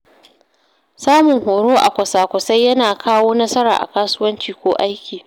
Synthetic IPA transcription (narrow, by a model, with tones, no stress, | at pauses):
saː˦mʊ˨ŋhoː˨ɽoː˦ʔa̰˨kʷɐ˨saː˨kʷʊ˨sa˦jːɐ˦naː˨kʰaː˦woː˦nɐ˦sɐ˦ɾa̰ː˨ʔa̰˨kaː˦sʊ˦wɐ˦nt͡ʃiː˨kʷoː˦ʔa˦jkʲiː˨